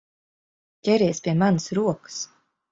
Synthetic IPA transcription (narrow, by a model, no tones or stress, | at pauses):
cʲɛɾiɛspʲiɛmanɨsɾuɔkɨ̥s